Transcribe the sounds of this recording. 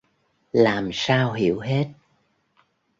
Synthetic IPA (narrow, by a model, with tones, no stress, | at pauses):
laː˨˩msaː˧wɦi˧˩˨əwɦe˦˥t̚